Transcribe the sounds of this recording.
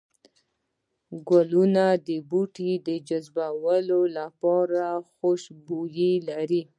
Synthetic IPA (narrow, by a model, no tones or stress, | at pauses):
ɡwalunad̪əbuʈid̪əd͡ʒazbawəlolapɑɾaxoʃbujilaɾi